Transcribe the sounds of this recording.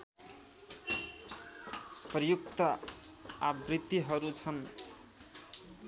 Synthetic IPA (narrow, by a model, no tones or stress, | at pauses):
prʌjuk̚t̪ʌ | abrit̪ːiɦʌɾut͡sʰʌn